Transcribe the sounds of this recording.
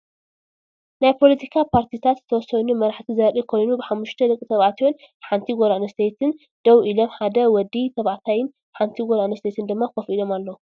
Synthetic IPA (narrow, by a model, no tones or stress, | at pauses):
najpʰo̞lɐt̪ʰikʰapʰaɾt̪ʰit̪ʰat̪zɨt̪ʰɐwɔsɐnumɐɾaħt̪ʰizɐɾikʰo̞jnubɨħamːuʃt̪ʰɐlɨkʼt̪ʰɐβʕat̪ijon | ħant̪ʰiɡoɾanɐst̪ʰet̪ʰɨn | d̪̥ɐwʔilo̞mħad̪ɐwɔd̪it̪ʰɐβaʕt̪ʰajɪn | ħant̪ʰiɡoɾanɐst̪ʰet̪ʰɨnd̪ɨmːakofilo̞malːɐwu